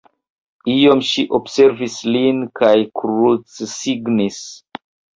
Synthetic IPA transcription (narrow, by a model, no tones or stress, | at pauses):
io̞mʃiʔobse̞ɾvislinkʰajkɾut͡ssiɡnis